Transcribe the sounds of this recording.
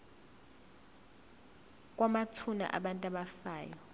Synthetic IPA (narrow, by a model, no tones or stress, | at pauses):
k̬ʼwamatʰuna̰ʔa̰ɓantʼaɓafaːjɔ